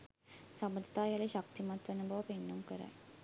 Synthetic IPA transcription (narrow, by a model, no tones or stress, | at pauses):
sɐməd̪ʱt̪ajaleɕak̚t̪imat̪ʋɐnubʱɐʋpenːumkəɾa̰j